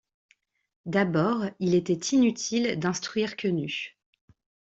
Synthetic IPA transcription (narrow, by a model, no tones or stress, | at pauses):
d̪abɔʁilet̪ɛt̪ʰinyt̪ʰild̪ɛ̃st̪χɥiʁkʰʲəny